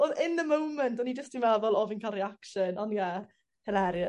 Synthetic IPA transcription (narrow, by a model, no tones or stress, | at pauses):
oðɪnðəmowməntʰɔnid͡ʒəstd̥imɛlvɔlˠɔvinkʰalˠriakʃənɔnja | hɪlˠɛɾjə